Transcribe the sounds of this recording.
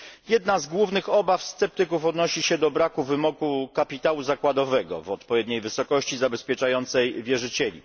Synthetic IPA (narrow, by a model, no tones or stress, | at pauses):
jɛd̪nazɡwuvnɘxɔbafst̪sɛp̚t̪ɘkufɔd̪nɔɕiɕɛd̪ɔbɾakuvɘmɔkukapʲit̪awuzakwad̪ɔvɛɡɔ̰vɔt̪pɔvʲjɛd̪ɲejvɘsɔkɔɕt͡ɕizabɛspʲjɛt͡ʂajɔnt̪sɛjvʲjɛʐɘt͡ɕɛlʲḭ